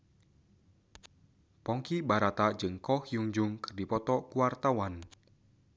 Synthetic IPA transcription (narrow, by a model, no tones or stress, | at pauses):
pɔŋkibaɾat̪ad͡ʒɨŋkɔhjuŋd͡ʒʊŋkə̥rdipɔt̪ɔkuwart̪awan